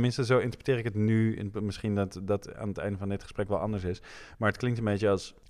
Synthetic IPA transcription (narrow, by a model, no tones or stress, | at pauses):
mɪnstəzowɪntəɹprətɪːrɪkətny̰nmɪsχindɑtdɑta̰ːnətɛ̰jndəvɑndɪtχə̥sprɛkʋɛlˠʔɑ̰ndəɹsɪsmaːɹətklɪŋtənmbejt͡ʃəɑlˠs